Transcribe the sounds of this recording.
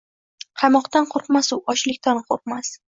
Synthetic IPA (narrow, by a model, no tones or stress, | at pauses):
qʰɑmɒqt̪anqʰoɾqmasʊʔɒʃlɪkʲt̪ʰanqʰoɾqmas